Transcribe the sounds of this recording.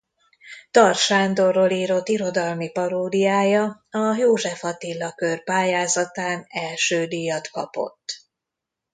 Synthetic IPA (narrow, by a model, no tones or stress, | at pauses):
t̪ɒrʃaːnd̪o̞rːoliːɾo̞t̪ːiɾo̞d̪ɒlmipɒɾoːd̪ijaːjɒ | ɒjoːʒɛfɒt̪ilːɒkørpaːjaːzɒt̪aːnɛlʃøːd̪iːjɒt̪kɒ̰po̞̰t̪ː